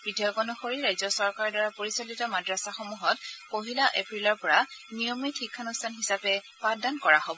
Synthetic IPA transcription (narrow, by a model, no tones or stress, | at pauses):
b̥ɹidʱijɔɡɔnɔxoɹiɹajzɔsɔɹkaɹɔdaɹapoɹisɔlitɔmadɹasaxɔmuɦɔtkoɦilaʔḛpɹilɔɹpɔɹanijɔmikxikʰːanustʰanxisapɛpadankɔɹaɦobɔ